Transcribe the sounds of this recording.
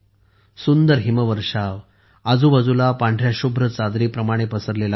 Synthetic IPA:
sund̪əɾɦiməʋəɾʂaʋ | ad͡zuːbad͡zulapãɳɖʱɾjaɕubʱɾət͡sad̪ɾiːpɾəmaɽ̃epəsəɾlela

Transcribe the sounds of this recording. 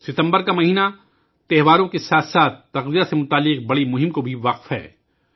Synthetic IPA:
sɪt̪ə̃mbəɾkamɐɦiːna | t̪ɛɦʋaːɾõkesaːt̪ʰsaːt̪ːɐqzijasemʊt̪aːlːɪqbɐɽimʊɦɪ̃mkobʱiʋɐqfɦɛ̰ː

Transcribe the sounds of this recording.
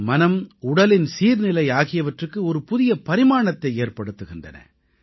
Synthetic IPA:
mɐnɐmʊɽɐlɪnsiːɾnɪlɐɪaːɣɪjɐʋɐʈrɯkːɯɔɾɯpʊðɪjɐpɐɾɪmaːɳɐt̪ːɐɪeːɾpɐɽɯt̪ːɯɣɪndrɐ̰nɐ̰

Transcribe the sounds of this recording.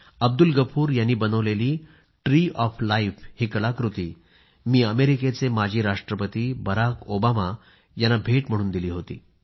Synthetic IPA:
əb̚d̪ulɡəpʰuːɾjanːiːbənəʋleliː | ʈɾiːʔɔflaifhikɭakɾut̪ḭː | miːəmeɾiket͡semad͡ʑʱiːɾaʂʈɾəpət̪iːbəɾakobama | janːabʱeʈm̤əɽ̃uːnd̪iliːɦot̪ḭː

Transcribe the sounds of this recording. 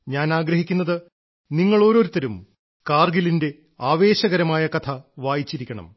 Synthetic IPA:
ɲaːnaːɡɾɐɦikʲːunːɐðɨ | niŋːɐɭo̞ːɾo̞ɾut̪ːɐɾum | kaːrɡilinde̞ | aːʋe̞ːɕɐɣɐɾɐmaːjɐkɐt̪ʰɐʋaːjit͡ɕːiɾikʲːɐɳɐ̰m

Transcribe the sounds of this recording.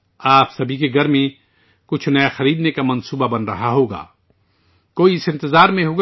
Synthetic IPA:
aːpsɐbʱikeɡɐɾmẽ | kʊt͡ʃʰnɐjaxɐɾiːd̪nekamɐ̃nsuːbabɐnɾɐɦaɦoːɡa̰ː | koːiɪsɪ̃nt̪ɪzaːɾmẽɦoːɡ

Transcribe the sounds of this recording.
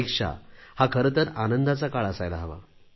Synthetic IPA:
ikʂa̰hakʰəɾət̪əɾanənd̪ʱat͡sakaɭəsajlaɦəʋa̰

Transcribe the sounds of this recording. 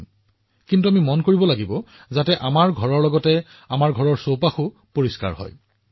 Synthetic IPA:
kintuamimɔnkoɹibɔlaɡibɔ | zatɛʔamaɹɡʱɔɹɔɹlɔɡɔtɛ | amaɹɡʱɔɹɔɹsowpaxʊ | poɹiska̰ɹhɔ̰j

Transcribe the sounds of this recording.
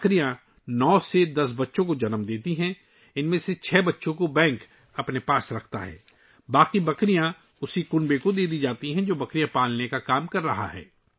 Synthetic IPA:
kɾijã | nɔːsed̪ɐs̬bɐtːʃõkod͡ʒɐnəmd̪eːt̪iɦɛ̃ | ɪnmẽset͡ʃʰɛːbɐtːʃõkobɛ̃ːŋk | ɐpnepaːsɾɐkʰt̪a̰ɦɛ̰ː | baːqibɐkɾijã | ʊsikʊ̃nbekod̪eːd̪id͡ʒaːt̪iɦɛ̃d͡ʒoːbɐkɾijãpaːlnekakaːmkɐɾːɐɦa̰ɦɛ̰ː

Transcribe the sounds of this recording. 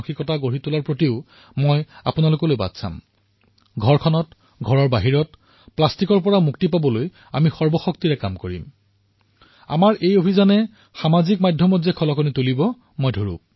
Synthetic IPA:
xikɔtaɡoɹitulaɹpɹotiʊ | mɔja̰pʊnalʊkɔlojba̰dsa̰m | ɡʱɔɹkʰɔnɔt | ɡʱɔɹɔɹbaɦiɹɔt | plastikɔɹpɔɹamuktipabɔloj | amixɔɹbɔxoktiɹɛkamkoɹḭm | a̰maɹʔejobʱizanɛ | xamazik̚majdʱjɔmɔzɛkʰɔlɔkɔnitulibɔ | mojdʱoɹṵp̚

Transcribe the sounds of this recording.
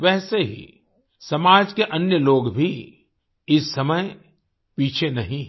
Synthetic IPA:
ʋɛːseɦḭ | sɐmaːd͡ʒkeʔɐnjəloːɡbʱi | ɪsːɐməj | piːt͡ʃʰenɐɦĩ

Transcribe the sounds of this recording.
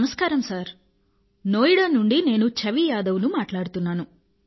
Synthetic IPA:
mɐskaːɾɐmsaːɾ | no̞ːjiɽaːnuɳɖine̞ːnut͡ʃɐʋijaːd̪ɐʋunumaːʈlaːɽut̪unːaːnu

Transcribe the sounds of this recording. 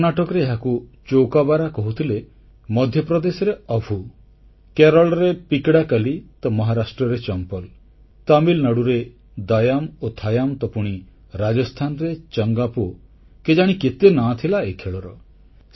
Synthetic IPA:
naʈɔkɔɾeːɦakut͡ʃowkabaɾakɔɦut̪ʰile | mɔd̪ʱjɔpɾɔd̪esɔɾeɔbʱu | keɾɔɭɾepikɽakalit̪ɔmɔɦaɾasʈɾɔɾet͡ʃɔmpɔl | t̪amilnaɽuɾe | d̪ajamot̪ʰajamt̪ɔpuɽ̃i | ɾad͡ʒɔst̪ʰanɔɾet͡ʃɔŋɡapo | ked͡ʒaɽ̃iket̪enat̪ʰilaekʰeɭɔɾɔ

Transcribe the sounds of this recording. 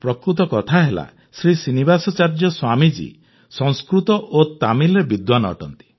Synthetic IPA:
pɾɔkɾut̪ɔkɔt̪ʰaɦela̰ | sɾisinibasɔt͡ʃaɾd͡ʒɔswamid͡ʒḭ | sɔŋskɾut̪ɔʔot̪amilɾebid̪wanɔɔ̰ʈɔnt̪i̥

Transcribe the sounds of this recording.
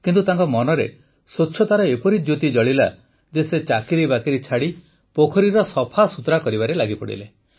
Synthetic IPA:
kint̪ut̪aŋkɔmɔnɔɾḛ | sotːʃʰɔt̪aɾɔepɔɾid͡ʒjot̪id͡ʒɔɭila̰ | d͡ʒeset͡ʃakiɾibakiɾit͡ʃʰaɽi | pokʰɔɾiɾɔsɔpʰasut̪ɾakɔɾibaɾelaɡipɔɽḭle

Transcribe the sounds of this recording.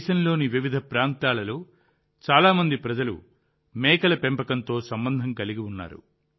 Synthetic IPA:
ʃɐnlo̞ːniʋiʋid̪ʱɐpɾaːnt̪aːlɐloː | t͡ʃaːlaːmɐnd̪ipɾɐd͡ʒɐlṵ | mɛːkɐlɐpempɐkɐnt̪o̞ːsɐmbɐnd̪ʱɐŋkɐliɡiwunːa̰ːɾṵ

